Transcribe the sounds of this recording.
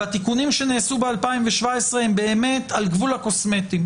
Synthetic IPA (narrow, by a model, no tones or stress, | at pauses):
at̪ikunimʃe̞neːsubealpaimveʃvaesʁeembe̞ːme̞t̪alɡvulhako̞sme̞t̪im